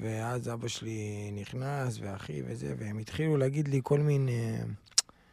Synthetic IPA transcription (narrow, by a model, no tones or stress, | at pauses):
veazabaʃeliniχnasveaχḭvḛzḛvehemit̪χiluleaɡid̪liko̞lmine